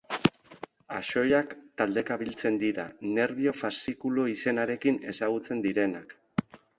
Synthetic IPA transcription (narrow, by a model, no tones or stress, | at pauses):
aʃo̞jakt̪ald̪e̞kaβilt͡se̞nd̪iɾa̰ne̞ɾβio̞fasikuloise̞naɾe̞kine̞saɣ̞ut͡se̞nd̪iɾe̞nak